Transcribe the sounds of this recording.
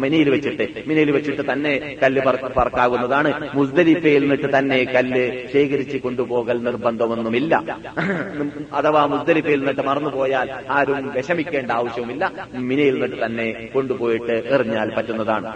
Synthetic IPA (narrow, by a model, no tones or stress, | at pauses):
minɐjilʋet͡ɕːiʈːɨminɐjilʋet͡ɕːiʈːɨt̪ɐnːe̞ | kɐlːɨpɐrpɐrɐkːaːɣunːɐðaːɳɨmusd̪ɐlipːɐjilnːiʈːɨt̪ɐnːe̞kɐlːɨɕeːkɐɾit͡ɕːɨko̞ɳɖupo̞ːɣɐlnirbɐnd̪ʱɐmenːumilːɐ̰ | ɐt̪ɐʋaːmusd̪ɐlipːɐjilnːiʈːɨmɐrɐnːupo̞ːjaːl | aːɾumʋeɕɐmikʲːe̞ːɳɖɐaːʋɐɕjɐʋumilːɐminɐjilnːiʈːɨt̪ɐnːe | ko̞ɳɖupo̞ːjiʈːɨeriɲːaːlpɐtːunːɐðaːɳɨ